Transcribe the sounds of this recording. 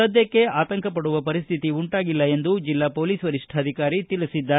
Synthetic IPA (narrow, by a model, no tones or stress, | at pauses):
ɐd̪ʱjɐkːe̞aːt̪ɐŋkʰɐpɐɽuʋɐpɐɾist̪ʰit̪iuɳʈaːɡilːɐe̞nd̪ud͡ʒilːaːpoːliːsʋɐɾiʂʈʰɐːd̪ʱikaːɾit̪ilisid̪ːa